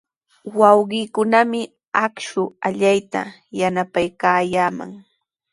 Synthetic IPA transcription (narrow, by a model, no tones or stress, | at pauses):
wɑwɢɪːkʊnamɪ | akʃʊaʎajt̪a̰ | janapajkaːjaːma̰ŋ